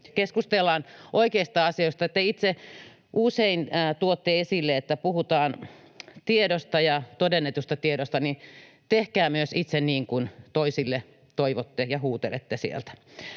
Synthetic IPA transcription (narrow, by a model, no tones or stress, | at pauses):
keskust̪elːɑːnʔoikeist̪ɑɑsioist̪ɑet̪ːæit̪se | ʔuseinːt̪uot̪ːeesilːeet̪ːæpuhut̪ɑːn | t̪iedost̪ɑjɑt̪odenːet̪ust̪ɑt̪iedost̪ɑni | t̪ehkæːmyøsit̪senniːŋkunt̪oisilːe | t̪oiʋot̪ːejɑhuːt̪elḛt̪ːesiḛlt̪æ̥